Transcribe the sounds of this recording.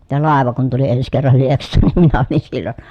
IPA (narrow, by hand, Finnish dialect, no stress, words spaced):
jɑ lɑˑeʋɑ kun tuli ens kerːɑl lieksˑɑːn nim minæ olin silːon